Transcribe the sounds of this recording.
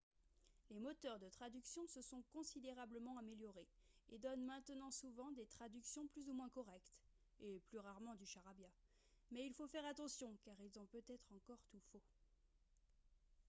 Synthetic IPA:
lemɔt̪œʁd̪ət̪χad̪yksjɔ̃səsɔ̃kɔ̃sid̪eʁabləmɑ̃ameljɔʁeed̪ɔnmɛ̃t̪ənɑ̃suvɑ̃d̪et̪χad̪yksjɔ̃plyzumwɛ̃kɔʁɛkt̪ | eplyʁaʁmɑ̃d̪yʃaʁabja | mɛilfofɛʁat̪ɑ̃sjɔ̃kaʁilzɔ̃pøt̪ɛt̪χɑ̃kɔʁt̪ufo

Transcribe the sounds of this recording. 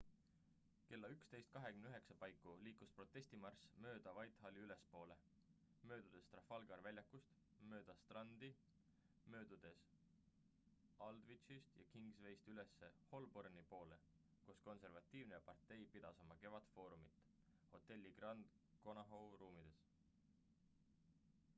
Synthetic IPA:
ke̞lːɑykst̪e̞jst̪̚kɑɦe̞kymnyɦe̞ksɑpɑjkːˑuliːkuspro̞t̪ˑːe̞sʲt̪imɑrsmø̞ːd̪̥ɑvɑjt̪ɦɑliyle̞spo̞ːle̞ | mø̞ːd̪̥ud̪̥e̞st̪rɑfɑlɡɑɾvælʲjɑkːust̪ | mø̞ːd̪̥ɑst̪rɑnd̪̥i | mø̞ːd̪̥ud̪̥e̞s | ɑld̪̥vit͡ʃist̪jɑ̰kiŋɡsve̞jst̪yle̞sːe̞ho̞lbornipo̞ːle̞ | kosko̞nse̞rvɑt̪ːˑiːvnejɑpɑrt̪ːe̞jpid̪̥ɑsɑmɑke̞vɑt̪fo̞ːɾumit̪ːˑ | ho̞t̪ːˑe̞lʲːiɡ̥rɑnd̪̥ko̞nɑɦowɾuːmid̪̥e̞s

